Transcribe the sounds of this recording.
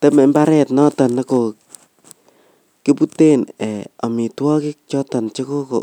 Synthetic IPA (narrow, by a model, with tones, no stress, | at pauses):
te˦me˨mba˦ɾɛ˦tnɔ˦tɔ˨ne˦ko˨ | ki˦pu˦te˦nɛ˨o˨mi˨twɔ˦kɪ˦k̚t͡ʃɔ˦tɔ˨nt͡ʃe˦ko˦ko̰˨